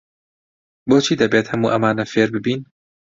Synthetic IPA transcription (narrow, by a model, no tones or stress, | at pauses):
boːt͡ʃʰiːd̪ɐbeːt̪hɐmuːʔɐmaːnɐfeːɾbɨbiːn